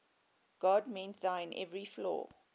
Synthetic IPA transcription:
ɡ̥ɔdmɛ̃ntðaɪ̃nʔɛ̰vɹiflɔ̰ː

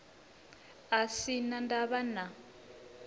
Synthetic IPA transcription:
asinandaβana

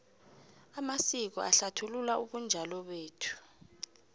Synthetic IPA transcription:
amasik̬ɔ̰ʔaɬatʰululaʔuɓund͡ʒʱalɔɓeːtʰu̥

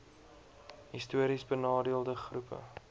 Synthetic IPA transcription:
ɦistuəɾisbənɑːdiəlˠdəχrupʰə̰

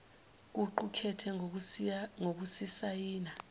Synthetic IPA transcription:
k̬ʼuǃukʰɛtʰɛ | ŋok̬usisajiːna

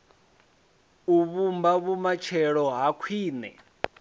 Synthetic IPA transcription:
uβumbaβumat͡ʃʰɛɺɔɦakʰwiːnɛ̰

